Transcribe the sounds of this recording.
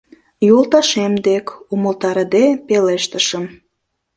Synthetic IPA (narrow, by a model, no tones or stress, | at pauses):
jolt̪ɑʃemd̪ekuməlt̪ɑɾəd̪epeleʃt̪əʃəm